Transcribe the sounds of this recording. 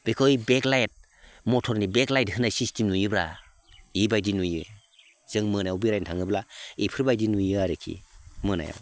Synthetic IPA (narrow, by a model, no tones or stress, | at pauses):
b̥ekʰɯjbeklajt̚ | mɔtʰɔɾnibeklajthɯnasistimnujɯbɾa | ibajdinujɯ | z̥ɯŋmɯnajawbiɾajntʰaŋɯblaipʰɯɾbajdinujɯaɾɯkʰḭmɯna̰ja̰w